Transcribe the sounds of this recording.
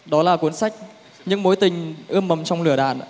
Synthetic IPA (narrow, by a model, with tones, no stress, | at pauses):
ɗɔ˨˦laː˨˩ku˨˦ənsa˦˥jk̟̚ | ɲɨ̰˧˥ŋmo˨˦jt̪ï˨˩ŋ̟ʔɨ˧əmːə˨˩mt͡ɕɔ˧wŋ͡mlɨ˧˩əɗa̰ː˧˨n